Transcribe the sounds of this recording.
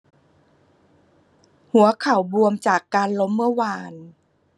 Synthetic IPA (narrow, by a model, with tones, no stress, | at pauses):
hu˨˩˦ɐkʰa˨˩wbu˧əmt͡ɕaː˨˩kːaː˧nlo˦˥mːɯ˧˥˧ɐwaː˧˩n